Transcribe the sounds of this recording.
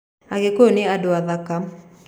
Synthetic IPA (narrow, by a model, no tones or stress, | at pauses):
aɡekoneadoaðaka